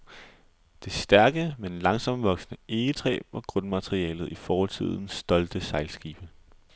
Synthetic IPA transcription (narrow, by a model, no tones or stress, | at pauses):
d̥e̝sd̥æɐɡ̥əmenlɑ̈ŋsɒ̽m̰ʋɒ̽ɡ̥snəe̝ːət͡sʰʁɛ̰ːb̥ɒ̽ɡ̥ʁɔnmæt͡sʰʁiɛ̰ːlð̩ˠifɒːhɒ̽lt͡sʰið̞̰ˠn̩sd̥ɒ̽ld̥əsɑ̈ɪlsɡ̥iːb̥ə